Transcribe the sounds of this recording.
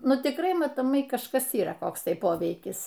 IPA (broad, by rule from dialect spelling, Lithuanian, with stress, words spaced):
ˈnʊ tʲɪkˈrɐɪ mɐtoːˈmɐɪ kɐʃˈkɐs iːˈrɐ ˈkoːks ˈtɐɪ ˈpoːʋʲɛɪkʲɪs